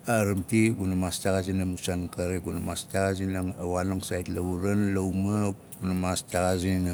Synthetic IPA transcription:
aɾamtiɡunamastaɡazinamusankaɾeɡunamastaɡaz̬inaŋawanoŋsajitlauɾanlawmaɡunamastaɡazina

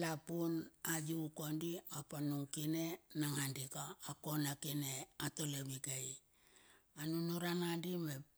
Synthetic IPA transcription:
lapunajukondiapanuŋkine̞naŋandikaːko̞nakineatoleβiɡaj | anunuɾanandime

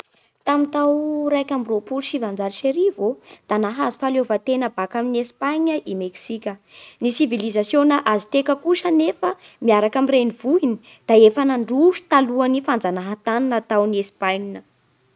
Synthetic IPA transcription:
t̪amint̪awrajkʲambropuluʃivand͡zaɾiʃeɾivod̪̥anaɦazi̥falovat̪enəbakaminiespaɲəʔimeksikʲənisivilizasjonəʔazit̪ekəkuʃənefə | miaɾakamirenivuini | d̪̥aefanaɳɖ͡ʐuʃu̥t̪aluanifand͡zanaɦat̪aninat̪awniespajɲinə

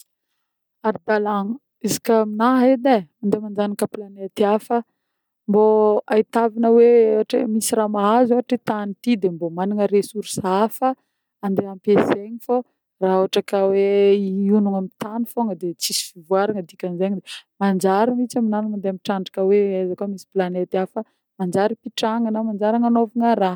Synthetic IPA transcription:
aɾid̪alaŋu | izi̥kʲəminaɦed̪aand̪emand͡ʒanikəplaneat̪iafə | mboait̪avinəweaʈ͡ʂə̰misiɾamaɦazaaʈ͡ʂit̪anit̪id̪embomaniŋəɾesuɾsafə | and̪eampezeɲifo | raoaʈ͡ʂakaweiunuŋamit̪anifoŋəd̪et͡sisi̥fivuaɾaŋəd̪ikʲanizeɲid̪emand͡ʒaɾamit͡saminanumand̪eamiʈ͡ʂaɳɖ͡ʐḁkəweajzakomisi̥planet̪afə | mand͡ʒaɾipiʈ͡ʂaŋənamand͡ʒaɾaŋanovaŋəɾa

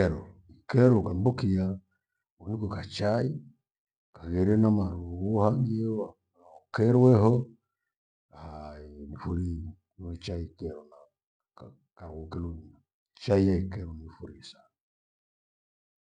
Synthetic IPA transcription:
ɾɔikɛɾɔkambokija | unikɔkat͡ʃai | kaɣɛɾɛnamaɾuɣɔhaŋɡiɔa | ɔkɛɾwɛɦɔ | ahanifuɾi | wɛt͡ʃaikɛɾɔna | kaɣokɛlon | t͡ʃaiaikɛɾɔnifuɾisa

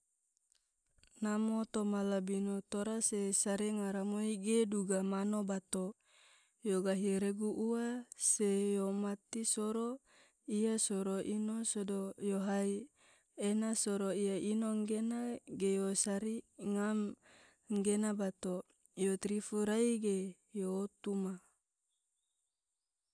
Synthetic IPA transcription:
namot̪omalabinot̪oɾasesaɾiŋaɾamoiɡeduɡamanobat̪o | joɡaɦiɾeɡuʔuwasejomat̪isoɾo | ijasoɾoʔinosodojoɦai | enasoɾoijaʔinoŋɡenaɡejosaɾiŋam | ŋɡenabat̪o | jot̪ɾifuɾaiɡe | joːt̪uma

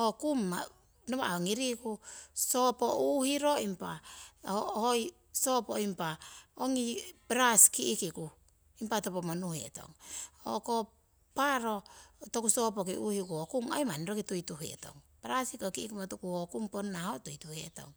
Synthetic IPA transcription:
okumːa | noβa̰oŋiɾikusopoʔuhiɾoimpa̰ | hoj | sopoimpaoŋipɾaskiʔːkiku | impatopomanuhḛto̰ŋo̰ko | paɾotokusop̬ok̬iʔuhikuokuŋa̰jmaniɾokitujtuɦḛto̞̰ŋpeɾasikokiikumatukuhokumponːahotujtuhḛto̰ŋ

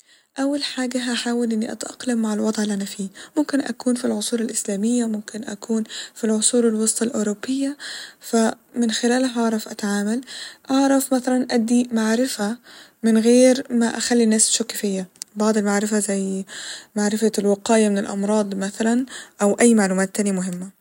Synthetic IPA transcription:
ʔawːalħaːɡaɦaħaːwɪlʔɪnːiʔa̰t̪ʔɑ̰qlamːaʕɪlwɑd̪ˤʕɪlʔanafiːmʊmkɪnʔa̰kuːnfilʕʊsˤuːlalʔɪslaːmɪjːamʊmkɪnʔa̰kuːnfilʕʊsˤuːɾalwɑsˤt̪ˤɑlʔoːɾobːɪjːafa | mɪnxɪlæːlaɦɑʕɾˤɑfʔat̪aʕaːmalʔɑʕɾˤɑfmaθalanʔad̪ːimaʕɾɪfamɪnɣeːɾmaʔaxalːinːaːsʃʊkːɪfɪjːabɑʕd̪ˤɪlmaʕɾɪfazajːmaʕɾɪfalwɪqɑːjamɪnɪlʔɑ̰mɾˤɑːd̪ˤmaθalanʔawʔajːmaʕluːmaːt̪ːaːnjimʊɦɪmːa

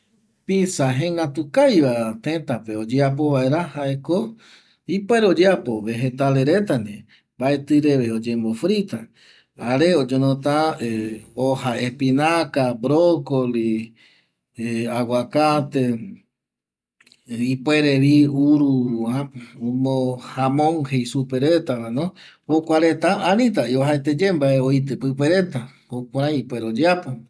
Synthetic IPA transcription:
pisaɦẽŋɡat̪ukajβat̪ẽt̪ape̞od͡ʒeap̬oβaeɾahaeko | ipweɾeod͡ʒeapo̞βe̞ɦet̪aleɾet̪anẽ | mbaet̪ɨɾeβeod͡ʒembofɾit̪a | aɾeod͡ʒonõt̪a | ohaepinakabɾokoli | awakat̪e | ipweɾeβiuɾuaomohamõŋhejsupeɾet̪aβanõhokʷaɾet̪aaɾĩt̪̬aioɦaet̪ed͡ʒembaeojt̪̬ɨpɨpeɾet̪ahokʷaɾãjipweɾod͡ʒeat̪a

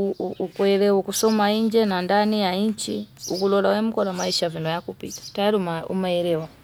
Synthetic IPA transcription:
uuukwɛɾɛwukusɔmaiɲd͡ʒɛnandanijaiɲt͡ʃiukulɔlawɛm̩kɔɾamaiʃavinɔjakupitḁtajaɾiumaṵmaɛɾɛwa

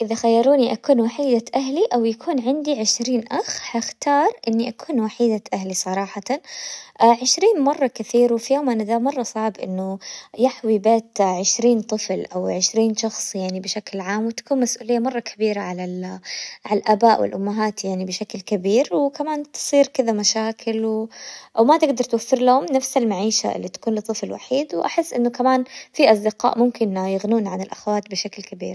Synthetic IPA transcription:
ʔɪðaxajːɑɾˤuːniʔakuːnwaħiːd̪aʔaɦliʔawjakʰuːnʕɪnd̪iʕɪʃɾiːnʔaxhaxt̪ɑːɾˤʔɪnːiʔakʰuːnwaħiːd̪aʔaɦlisˤɑɾˤɑːħɑ | ʕɪʃɾiːnmɑrˤːɑkaθiːɾwfijoːmʔanad̪amɑrˤːɑsˤɑʕbʔɪ̰nːʊjaħwibeːt̪ʕɪʃɾiːnt̪ˤɨflʔawʕɪʃɾiːnʃɑxsˤjaʕnibɪʃaklʕaːmwɪt̪ḁkuːnmasʔuːlɪjːamɑrˤːɑkʰabiːɾaʕalalʕalʔaːbaːʔwɪ̰lʔʊmːaɦaːt̪jaʕnibɪʃaklkabiːɾwɪkamaːnt̪ɨ̥sˤiːɾkɪðamaʃaːkʰɪlwʔawmat̪ɪɡd̪ɑɾˤt̪wafːɪɾlahʊmnafsalmaʕiːʃa̰ɪ̰lːit̪ḁkuːnlɨt̪ˤːɨflwa̰ħiːd̪wʔaħɪsːʔɪnːʊkamaːnfiʔɑsˤd̪ɪqɑ̰ːʔmʊmkɪnjɪɣnuːnʕanɪlʔaxawaːt̪bɪʃaklkabḭːɾ

